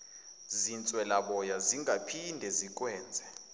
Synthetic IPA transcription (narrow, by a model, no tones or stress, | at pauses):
zint͡sʼwɛlaɓɔjaziŋɡʱapʰindʱɛzik̬ʼwɛːnd͡zʱɛ